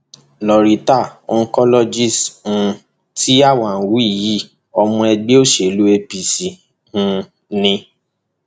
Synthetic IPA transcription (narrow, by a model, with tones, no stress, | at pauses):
lɔ˨ɾi˨ta˦˨o˦n̩˧˦kɔ˦lɔ˦d͡ʒi˦˨sũ˧ | tʰi˦a˦˨wã˨wu˦i˦˨ji˦˨ | ɔ˧mũ˧ɛ˧ɡ͡be˦o˦˨ʃe˨lu˦e˧pi˨si˨ | ũ˧ | nĩ˧